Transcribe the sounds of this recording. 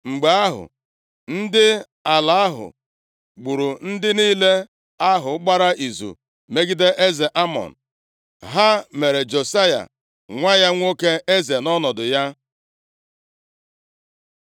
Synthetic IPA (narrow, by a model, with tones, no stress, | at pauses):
ŋ͡m̩˨ɡ͡ba˨˦ɦʊ̰˨ | n̩˦dɪ˦ | a˨la˨a˦ɦʊ̰˨ | ɡ͡bu˨ɾu˨n̩˦dɪ˦niː˦le˦ | a˦ɦʊ˨˦ɡ͡ba˦ɾa˦ʔi˨zṵ˨ | me˦ɡi˦de˦ʔe˦ze˨ʔa˦mɔ̰˨n̩˨ | ɦa˦me˨ɾe˨d͡ʒo˨sa˦ja̰˨ | ŋʷa˦ja˦ŋʷo˦ke˦e˦ze˨nɔ˦nɔ˨dʊ˨ja˦